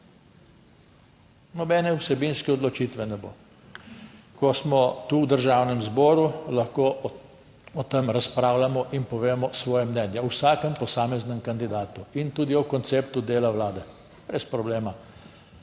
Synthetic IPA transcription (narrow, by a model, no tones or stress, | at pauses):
nɔbɛːnɛusɛbinskɛɔd̪lɔt͡ʃiːt̪ʋɛnɛbo̰ː | kɔsmɔt̪uwd̪əɾʒaːwnɛmzbɔːɾulaxkoː | ɔt̪əmɾaspɾaːwlamɔʔinpɔʋeːmɔsʋɔːjɛmnɛːnjɛwsaːkəmpɔsaːmɛznɛmkand̪id̪aːt̪uint̪uːd̪iɔkɔnt̪seːpt̪ud̪eːlawlaːd̪ɛ | b̥ɾespɾɔbleːma